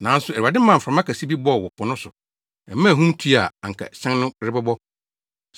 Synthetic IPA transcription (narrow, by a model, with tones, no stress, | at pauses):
nã˨˦n̩˦sʊ˨˦æ˨ɾu˨a˨dɪ˦mã˦˨m̩˨fɾã˨mã˦kʰæ˨si˦bi˦bɔ˦˨wɔ˨pʰʊ˨nʊ̃˦sʊ˨ | ɛ˨˦mã˦˨ɦũ˦mtʰi˦a˨ã˨ŋ˨kʰa̰˨ɕɛ̃˦nnʊ̃˦ɾɪ˦bɛ˦bɔ˦